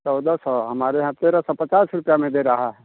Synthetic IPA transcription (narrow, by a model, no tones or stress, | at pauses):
t͡ʃɔʊd̪asɔɦɐmaːɾeɦãt̪eːɾasɔpɐt͡ʃaːsɾʊpjamẽd̪eɾɐɦaɦɛ